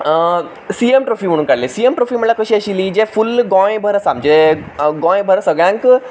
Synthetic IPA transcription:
siemʈɾofim̤əɽ̃unkaɽlesijemʈɾofiməlakəɕiəɕilid͡ʒefulɡɔ̃j̃bʱəɾəsamd͡ʒeɡɔ̃j̃bʱəɾəsəɡɭjãŋk

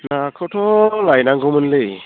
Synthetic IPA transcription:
nakʰɯwtʰɔlajnaŋɡɯwmɯnlɯj

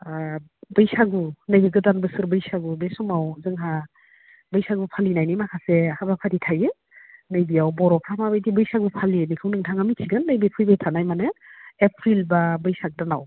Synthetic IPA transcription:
bɯjsaɡunɯjbiɡɯdanbɯsɯɾbɯjsaɡubesɔmawzɯŋɦa | bɯjsaɡupʰalinajnimakʰasehabapʰaditʰaje | nɯjbiawbɔɾɔpʰamabɯjdibɯjsaɡupʰalinikʰɯwnɯŋtʰaŋamitʰiɡɯnːɯjbɯpʰɯjbejtʰanajmaneepʰɾilbabɯjsaɡ̚dana̰w

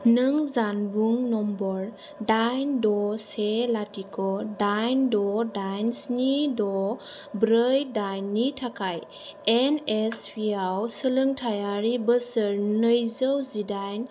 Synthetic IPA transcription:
nɯŋzanbuŋnɔmbɔɾ | dajndɔselatikʰɔdajndɔdajnsnidɔ | bɾəjdajnːitʰakʰaj | enespʰiawsələŋtʰajaɾibəsɯɾnəjzəwzidajn

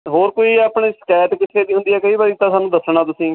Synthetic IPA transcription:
ɦoːɾkoːiːaːpɳeːskɛːʈ̪kɪt̪ʰːeːd̪iːɦʊ̃nd̪iːɛːkəiːbaːɾiːt̪ãːsaːnːũːd̪əsːɳãːt̪ʊsĩː

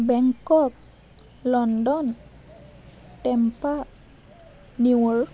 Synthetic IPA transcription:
bɛŋkɔk̚ | lɔndɔn | tɛmpa | niwəɹ

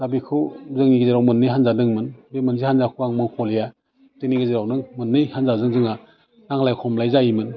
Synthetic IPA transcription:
z̥abikʰɯwzɯŋniɡɯzeɾawmɯnːɯjɦanzadɯŋmɯnbemɯnzihanzakʰɯwaŋmɯŋkʰɔleja | tɯniɡɯziɾawnɯŋmɯnːɯjhanzazɯŋzɯŋa | naŋlajkʰɔmlajzaimɯn

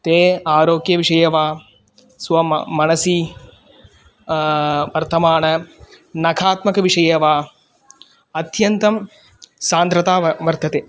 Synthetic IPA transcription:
t̪eːaːɾoːɡjɐʋiʂɐjɐʋaː | sʋɐmɐnɐsi | ʋɐɾt̪ʰɐmaːnɐ | nɐkʰaːt̪mɐkɐʋiʂɐjɐʋaː | ɐt̪jɐnt̪ɐm | saːnd̪ɾɐt̪aːʋɐɾt̪ʰɐt̪eː

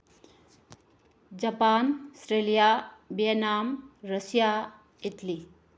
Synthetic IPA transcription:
d͡ʑɐpaːnsɾelijabjenaːmɾəsja | it̪li

